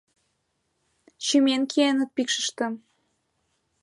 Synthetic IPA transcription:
t͡ɕymenkʰienə̆t̪̚pikʃə̥̆ʃt̪ə̆m

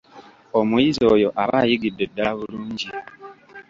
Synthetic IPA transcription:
omujizo̞ːjo̞ʔaβa̰ːjiɡidːe̞dːalaβuluːɲɟi

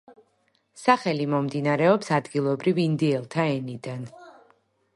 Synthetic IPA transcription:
saχɛlimɔmd̪inaɾɛɔpsad̪ɡilˠɔbɾivind̪iɛlˠt̪ʰaɛnid̪an

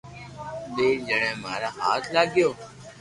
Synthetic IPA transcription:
ɓeːd͡ʒəɽẽːmaːɾaːɦaːt̪ʰlaːɡjoː

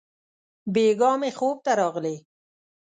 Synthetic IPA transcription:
beːɡɑːmexoːb̚t̪aɾɑːɣle

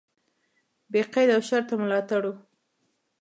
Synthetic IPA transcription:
beqajd̪awʃaɾt̪amlɑt̪aɽu

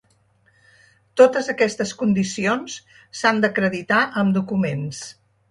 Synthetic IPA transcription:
t̪ot̪əzəkɛst̪əskund̪isions | sand̪əkɾəðit̪aʔəmd̪ukumens

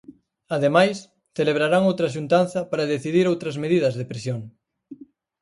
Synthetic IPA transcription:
ɐðemajs | θeleβ̞ɾaɾaŋowt̪ɾɐʃ̬unt̪anθɐpaɾɐðeθiðiɾowt̪ɾɐzmeðiðɐzðepɾesjoŋ

